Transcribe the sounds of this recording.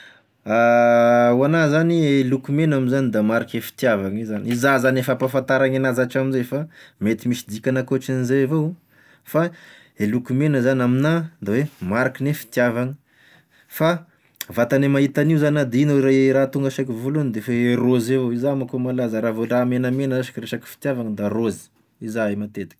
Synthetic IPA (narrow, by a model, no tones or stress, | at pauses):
a | uanazanielukumenaminzanid̪amaɾakefi̥t̪javaŋizanizazanefapafant̪aɾaŋanazaʈ͡ʂaminzeefamet̪imisid̪ikʲanakoʈ͡ʂinizevo | fa | elukumenəzanaminad̪awemaɾakinefi̥t̪javaŋə | fa | vat̪anemaɦit̪aniuzanad̪inoɾaɾat̪uŋɡəʃakivulunid̪efaeɾozevoizamakomalazaɾavoɖ͡ʐamenəmenəaʃi̥kiɾeʃaki̥fi̥t̪javaŋəd̪arozi̥ | izaemat̪et̪i̥kʲ